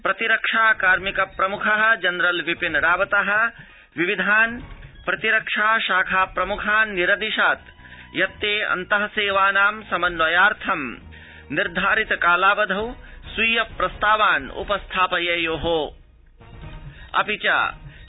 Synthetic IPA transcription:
pɾɐt̪iɾɐkʂaːkaːɾmikɐpɾɐmukʰɐɦɐ̆d͡ʒɐnɾɐlʋipinɾaːʋɐt̪ɐɦɐ̆ | ʋiʋid̪ʱaːnpɾɐt̪iɾɐkʂaːʃaːkʰaːpɾɐmukʰaːnːiɾɐd̪iʃaːt̪ | jɐt̪ːeːɐ̰nt̪ɐɦɐseːʋaːnaːmsɐmɐnːɐjaːɾt̪ʰɐm | niɾd̪ʱaːɾit̪ɐkaːlaːʋɐd̪ʱɐwsuːjɐpɾɐst̪aːʋaːnṵpɐst̪ʰaːpɐjɐjoːɦoː | ɐ̰pit͡ʃa̰ː

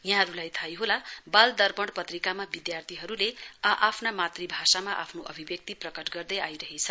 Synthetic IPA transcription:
jãɦʌɾulajt̪ʰajɦolabald̪ʌrbʌɽpʌt̪rikamabid̪jart̪ʰiɦʌɾuleʌʔapʰnamat̪ribʱasamaʔa̰pʰnoʔʌbʱibjʌk̚t̪iprʌkʌʈɡʌrd̪ʌjajɾʌɦet͡sʰʌ

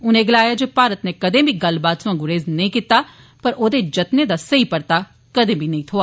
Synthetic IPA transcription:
ʊnẽːɡəlaːjaːd͡ʒeːpaːɾət̪neːkɐd̪ẽːbʱiːɡɐlbaːt̪sãːɡʊɾeːznɐĩːkiːt̪aː | pəɾʔoːd̪eːd͡ʒət̪ned̪aːsəiːpəɾt̪aː | kəd̪ẽːbʱiːnɐĩːt̪ʰoːaː

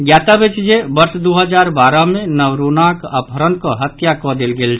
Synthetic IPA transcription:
ɡjat̪abet͡ʃd͡ʒebəɾsd̪uɦəd͡ʒaɾbaɾəmenəwɾunakəpəɾənkɔɦət̪jakɔd̪elɡelt͡ʃʰ

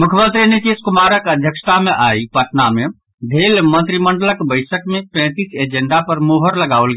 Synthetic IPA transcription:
mukʰjəmənt̪ɾinit̪iskumaɾəkəd̪ʱjəksə̥t̪ameʔajpəʈname | b̪ʱelmə̃nt̪ɾiməɳɖələkbəɪsəkmepɛ̃t̪ised͡ʒeɳɖapəɾmoɦəɾləɡaʋəlɡe

